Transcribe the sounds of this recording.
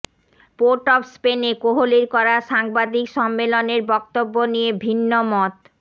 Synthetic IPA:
poɾʈɔpspenekoɦoliɾkɔɾaʃaŋbad̪ikʃɔmːeloneɾbɔk̚t̪obːonijebʱinːomɔt̪

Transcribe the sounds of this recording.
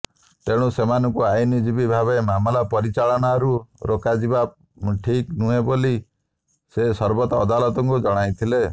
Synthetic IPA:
t̪eɽ̃usemanɔŋkuajnid͡ʒibibʱaβemamlapɔɾit͡ʃalɔnaɾuɾokad͡ʒiba | ʈʰiknuɦeboli | sesɔɾbɔt̪ɔːd̪alɔt̪ɔŋkud͡ʒɔɽ̃ajt̪ʰile

